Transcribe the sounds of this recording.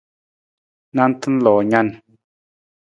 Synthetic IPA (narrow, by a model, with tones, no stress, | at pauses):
na˦n̩˦t̪ə˦n̩˦lɔ˨ɲa˦n